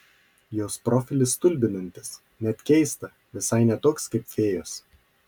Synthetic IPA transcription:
joːspɾɔːfʲɪlʲɪst̪ʊlʲbʲɪnɐnʲt̪ʲɪ̥s | nʲɛt̪ʲkʲɛɪst̪ɐ | ʋʲɪsɐɪnʲɛt̪oːkskɐɪpʲfʲeːjoːs

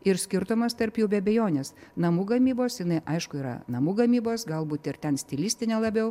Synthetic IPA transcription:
ɪɾsʲkʲɪɾt̪omɐst̪ɐɾpjɛʊbʲɛɐbʲɛjoːnʲeːsnɐmuːɡɐmʲiːboːsjɪnɐɪʔɐɪʃkʊiːɾɐ̰nɐmuːɡɐmʲiːboːsɡɐlˠbuːt̪ɪɾt̪ʲɛnsʲt̪ʲɪlʲiːsʲt̪ʲɪnʲɛlˠɐbʲɛʊ

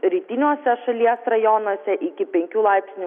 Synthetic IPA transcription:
ɾʲiːt̪ʲɪnʲoːsʲɛʃɐlʲiɛsɾɐjɔnosʲɛʔɪkʲɪpʲɛŋʲkʲuːlˠɑˑɪpʲsʲnʲuː

